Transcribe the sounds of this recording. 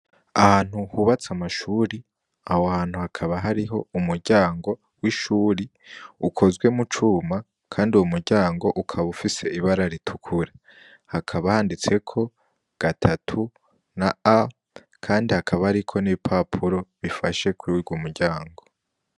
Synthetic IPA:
ahaːn̥huhuβat͡samaʃuːɾi | ahoahaːn̥huhakʰaβaɦaɾiɦo̞̰umuɾɟaːŋɡo̞ | wiʃuːɾi | ukʰo̞zɡwe̞mut͡ʃuːma | kʰaːnduumuɾɟaːŋɡo̞ʔukʰaβufise̞iβaɾaɾitʰukʰuɾa | hakʰaβahaːndit͡se̞kʰo̞ | ɡ̥atʰatʰu | naa | kʰaːndihakʰaβahaɾikʰo̞niβipʰapʰuɾo̞βifaʃe̞kʰuwiɾɡumuɾɟaːŋɡo̞

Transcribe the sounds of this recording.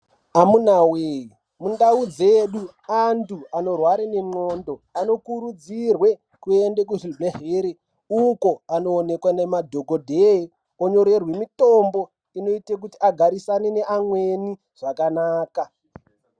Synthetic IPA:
amunaweji | mundaud͡zeɗu | antuano̞rwaɾeneŋ͡ǀo̞ndoano̞kuɾud͡zirwe̞ | kue̞ndek̬uʐibeɦeːɾe | ukoano̞ːne̞kwanemadʱo̞ɡʱodʱei | oɲo̞ɾe̞rwe̞mito̞mbo̞ | ino̞itek̬utiʔaɡʱaɾisanene̞ʔamwe̞ni | ʐ̥akanaːka

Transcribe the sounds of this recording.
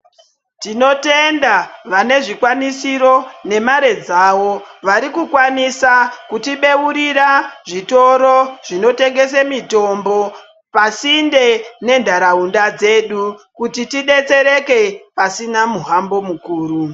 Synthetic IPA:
tino̞te̞ndaʋane̞ʐikwanisiɾo̞ne̞maɾe̞d͡zaːʋo̞ʋaɾikukwanisakutiɓe̞uɾiɾaʐito̞ɾoʐino̞te̞ŋɡe̞semito̞mbo̞ | pasinde̞ne̞ndʱaɾaundad͡ze̞ɗukutitiɗe̞t͡se̞ɾe̞ke̞pasinamuɦambo̞mukuːɾu

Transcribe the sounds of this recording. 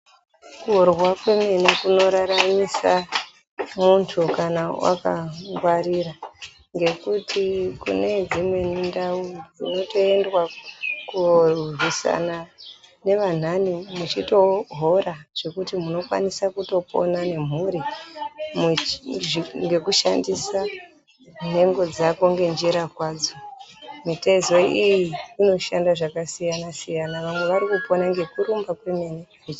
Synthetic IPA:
kurwakwe̞menekuno̞ɾaɾamisa | muntʰukanawa̰kaŋɡwaɾiɾa | ŋɡe̞kutʰikṵne̞d͡zimwe̞nindaud͡zino̞to̞e̞ndwakurrwisa̰nane̞ʋan̤animut͡ʃito̞ɦo̞ɾaʐ̥e̞kutimuno̞kwa̰nisakuto̞pʰo̞̰nane̞m̤uɾi | m | ŋɡe̞kuʃa̰ndisa | n̤e̞ŋɡo̞d͡zakoŋɡe̞nd͡ʒiɾakwaːd͡zomite̞zo̞ijiino̞ʃandaʐakasijanasijanaʋamwe̞ʋaɾikupo̞naŋɡe̞kuɾumbakwemene | it͡ʃi

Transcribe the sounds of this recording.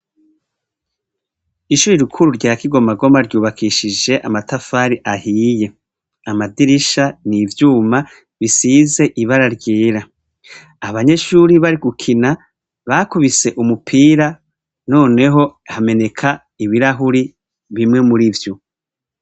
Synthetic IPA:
iʃuːɾiɾukʰuɾuɾɟaːkiɡo̞maɡo̞maɾɟuːβakʰiʃid͡ʒe̞ʔamatafaːɾiʔahije̞ | amadiɾiʃanivjuːma | βisiːze̞ʔiβaɾaɾɟiːɾaː | βaɲe̞ʃuɾiβaɾiɡukʰina | βakuβise̞ʔumupʰiːɾa | no̞ːne̞ɦo̞hame̞ne̞kʰa | iβiɾaɦuɾi | βimŋe̞muɾivjo

